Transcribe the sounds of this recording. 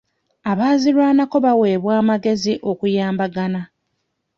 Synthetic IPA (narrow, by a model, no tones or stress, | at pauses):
aβaːzilwaːnako̞βawe̞ːβwaːmaɡe̞ziʔo̞kujaːmbaɡana